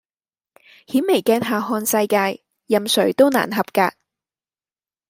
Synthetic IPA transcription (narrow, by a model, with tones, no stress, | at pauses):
hiː˨˥nme˨˩jkɛː˧nɦaː˨ɦɔː˧nsɐ˧jkaː˧jː | ɐ˨˩msɵ˨˩ɥt̪o˥wna̰ː˨˩nɦɐ˨˩p̚kaː˧k̚